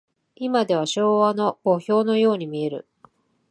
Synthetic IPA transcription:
imad̪e̞β̞aɕo̞ːβano̞bo̞ço̞ːno̞jo̞ːɲ̟imʲie̞ɾɯ̟̰

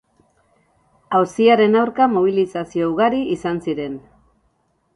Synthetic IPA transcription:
awsiaɾe̞nawɾkamoβ̞ilisasio̞uɣaɾiʔisansiɾe̞n

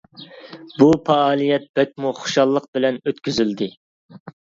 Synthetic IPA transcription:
bupʰɑɑːlˠijɛt̪̚b̥ɛt̪̚muχʊ̥ʃɑlˠːəq̚bɪlɛnøt̪kʲyzyld̪ɪ

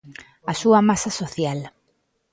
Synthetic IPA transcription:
asuamasasoθjal

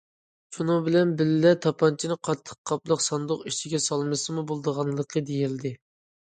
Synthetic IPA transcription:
ʃunɨŋbɪlɛnbɪllɛt̪ʰɑpʰɑnt͡ʃʰinɨqʰɑt̪ʰːə̥qʰːɑplˠəqsɑnd̪ʊqiʃt͡ʃʰiɡʲɛsɑlˠmɨsɨmubolˠd̪əʁɑnlˠəqʰəd̪ejild̪ɪ

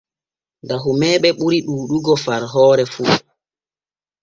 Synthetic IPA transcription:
ndaɦumɛːɓɛɓuɾiɗuːɗuɡɔfaɾɦɔːɾɛfu

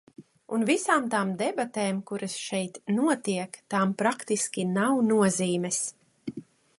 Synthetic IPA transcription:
unvisaːmt̪aːmd̪ɛbat̪eːmkuɾɐsʃɛjt̪nuɔt̪iɛkt̪aːmpɾakt̪iskʲinawnuɔziːmʲɛs

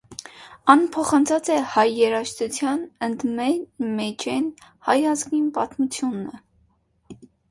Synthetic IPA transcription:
ɑnpʰɔχɑnt͡sʰɑt͡sɛhɑjːɛɾɑʃt̪ut͡sʰjɑnənd̪mɛnmɛt͡ʃʰɛnhɑjɑzɡinpɑt̪mut͡sʰjunə

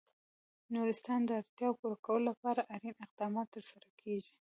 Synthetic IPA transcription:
nuɾɪst̪ɑnd̪əaɾt̪jɑwpuɾakawəlolapɑɾaʔaɾinɪq̚d̪ɑmɑt̪ːəɾsaɾakʰeʒi

